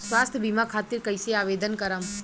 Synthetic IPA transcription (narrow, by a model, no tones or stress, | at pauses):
sʋaːst̪ʰəbʱimakʰaːt̪iɾkəjseaːʋeːd̪ənkɐɾəm